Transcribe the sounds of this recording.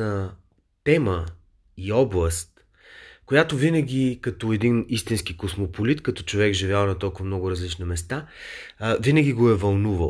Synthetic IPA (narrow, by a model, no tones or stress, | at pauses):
ə | t̪ɛmə | iɔblˠəst̪ | kojat̪ovinəɡʲikɐt̪oɛd̪inist̪inskikosmopolit̪kɐt̪ɔ̥t͡ʃovɛkʒivʲjalˠnɐt̪ɔlˠkʊvɐmnɔɡʊɾɐzlit͡ʃnimɛst̪a | vinəɡʲiɡoɛvɐlˠnuvə